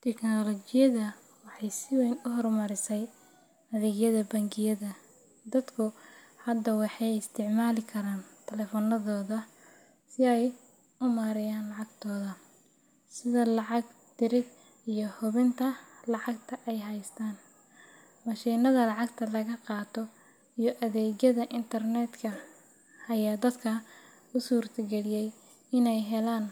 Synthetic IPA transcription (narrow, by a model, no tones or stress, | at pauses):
t̪ʰɛknɔlɔt͡ʃɪjɐðɐ | wɑħɑjsɪwɛjnʊɦɔrmɐɾɪsɛj | ɐðɪɣjɐðɐbɐŋkʰɪjɐðɐ | d̪ɐd̪kʰʊ | hɐd̪ːɐwɑħɑjɪst̪ʰɪʕmaːlɪkʰɐɾaːnt̪ʰɛlɛfɔnɐðɔːðɐ | sɪɛj | ʊmaːɾɪjaːnlɑʕɑɡt̪ʰɔːðɐ | sɪðɐlɑʕɑɡ | t̪ɪɾɪd̪ | ijɞhʊβɪnt̪ʰɐlɑʕɑɡt̪ʰɐʔɛjɦɐjst̪ʰaːn | mɑʃiːnɐðɐlɑʕɑɡt̪ʰɐlɐɣɐqɑːt̪ʰɔ | ijɔʔɐðɛːd͡ʒɐðɐʔɪnt̪ʰɐrnɛd̪kʰɐ | hɐjaːd̪ɐd̪kʰɐ | ʊsuːrt̪ʰɐɡɛlɪjɛj | ɪnɛjɦɛlaːn